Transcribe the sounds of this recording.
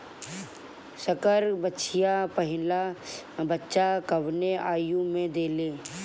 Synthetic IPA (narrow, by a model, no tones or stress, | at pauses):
sɐkəɾbətːʃʰijapɐɦɪlabətːʃakɐʋneaːjũmẽd̪eːleː